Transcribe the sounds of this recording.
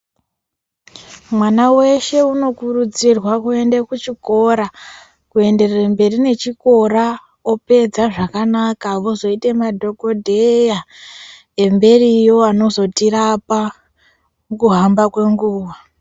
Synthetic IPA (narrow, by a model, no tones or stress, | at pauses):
mwanawe̞ʃe̞uno̞kurud͡zirwakue̞ndekut͡ʃiko̞ɾa | kue̞nde̞rerembe̞rine̞t͡ʃiko̞ɾa | o̞pe̞d͡zaʐakanakaʋo̞zo̞itemadʱo̞ɡʱo̞dʱeja | e̞mbe̞rijo̞ano̞zo̞tirapa | kuɦambakwe̞ŋɡuːʋa